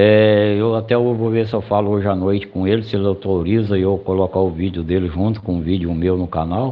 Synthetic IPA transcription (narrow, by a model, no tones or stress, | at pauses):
ɛewat̪ɛoʒvovesɪewfalʊoʒɪanojt͡ʃɪ̥kõelɪselewt̪ɾoɾizɐɪewkolɔkaʊvid͡ʒɪʊd̪elɪʒũnt̪ʊ̥kõũvid͡ʒɪʊmewnʊkanaw